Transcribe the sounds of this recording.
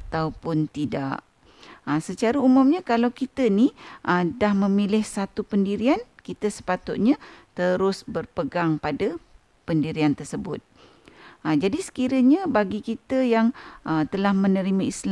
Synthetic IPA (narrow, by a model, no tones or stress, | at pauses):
at̪awpʊnt̪ida̰ʔ | əsət͡ʃaɾaumʊmɲakalawkit̪əniʔədahmə̃milɪhsat̪upəndiɾiankit̪əsə̥pat̪ʊt̪̚ɲãt̪əɾʊsbərpəɡaŋpada | pəndiɾiant̪ərsəbʊt̪̚ | əd͡ʒadisə̥kiɾəɲabaɡikit̪əjaŋʔət̪əlahmənəɾimaisl